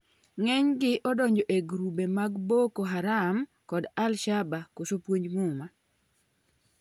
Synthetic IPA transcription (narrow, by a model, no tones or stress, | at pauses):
ŋɛɲɡɪʔɔdɔɲd͡ʒɔʔeɡɾubemaɡbokoɦaɾam | kɔdalʃabakosopwoɲd͡ʒmuma